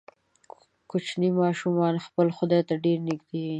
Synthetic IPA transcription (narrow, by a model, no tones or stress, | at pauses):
kʊt͡ʃnimɑʃumɑnxpəlxʊd̪at̪aɖeɾnɪɡd̪e